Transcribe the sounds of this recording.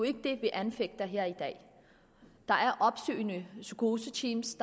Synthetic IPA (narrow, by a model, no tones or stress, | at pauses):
oe̝ɡ̥əd̥e̝ʋe̝ʔænfeɡ̥̚d̥ɐɦeɐ̰id̥ɛ̰ː | d̥ɑ̈ʔæɐʔɒ̽b̥sø̰ːɪnəsykʰo̝ːsət͡sʰiːmsd̥